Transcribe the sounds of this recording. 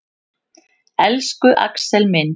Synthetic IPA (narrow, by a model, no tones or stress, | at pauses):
ɛlskʏʔa̰ksɛlmɪn